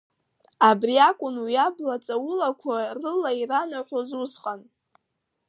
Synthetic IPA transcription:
abriakʷʼʊnujablat͡sʼawʊlakʷʰarɨlairanaħʷazusqʼan

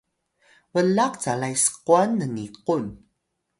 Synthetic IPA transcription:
vəlaq̚t͡salajsə̥quanːəniqun

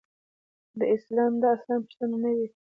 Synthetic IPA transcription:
d̪əɪslɑmd̪ɑaslɑnpə̥ʂt̪ənanawi

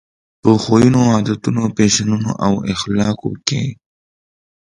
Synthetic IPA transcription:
pəxojunoɑd̪at̪unopeʃanuno̰ʔawɪxlɑko̰kḛ

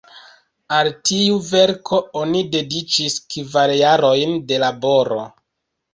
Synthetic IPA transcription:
altiuve̞ɾkʰo̞onide̞dit͡ʃiskvaɾjaɾo̞jnde̞labo̞ɾo̞̰

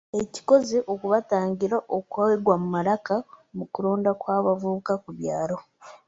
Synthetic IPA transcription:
eci̥ko̞zeʔokuβataːɲɟiɾaʔokwaweɡwamumalakamukuloːndakwaːβavukakuβjaːɾo̞

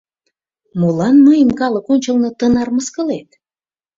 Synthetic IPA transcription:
mulɑnməjəmkɑləkonʲt͡ɕəlnɤ̆t̪ənɑrməskəlet̪̚

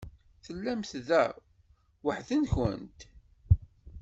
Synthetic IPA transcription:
θəlːæmθðæ | wəħðənçə̰nt̪

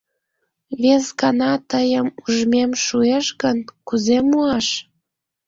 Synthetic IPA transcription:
βezɣɑnɑt̪əjəmuʒmemʃueʃɣənkuzemuɑʃ

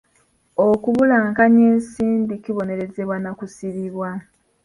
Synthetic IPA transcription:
okuβulaːŋkaɲe̞ːnsiːndikiβo̞ne̞ɾe̞ze̞βwanakusiβiβwa

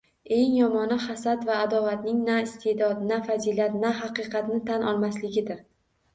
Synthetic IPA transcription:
e̞ŋjɒmɒnahasat̪vaːd̪ɒvat̪nɪŋnaɪst̪ʰe̞d̪ɒd̪nafazilat̪naɦɑqɨqʰɑt̪nɪt̪ʰanʔɒlˠmaslɪɡʲɪd̪ɪɾ

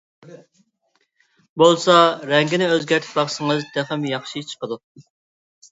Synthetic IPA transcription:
bolˠsɑɾɛŋɡʲinɪøzɡʲæɾt̪ʰɪ̥pbɑχsɨŋɨzd̪æχɪmjɑχʃit͡ʃʰə̥qəd̪u

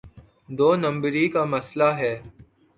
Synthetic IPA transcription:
d̪oːnə̃mbɾikamɐslaɦɛː

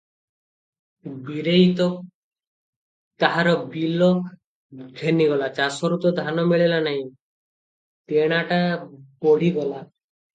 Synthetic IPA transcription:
biɾejt̪ɔ | t̪aɦaɾɔbilɔ | ɡʱeniɡɔlat͡ʃasɔɾut̪ɔd̪ʱanɔmiɭelanaɦĩ | t̪eɽ̃aʈabɔɽ̤iɡɔla

